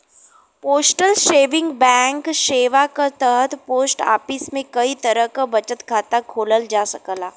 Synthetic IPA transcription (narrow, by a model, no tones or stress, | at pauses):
poːsʈəlʃeːʋɪ̃ŋɡbɛ̃ːŋkʃeːʋakat̪əɦət̪ʰpoːsʈa̰ːpɪsmẽkɐit̪əɾəɦkabɐt͡ʃət̪kʰaːt̪akʰoːləld͡ʒaːsəkəlaː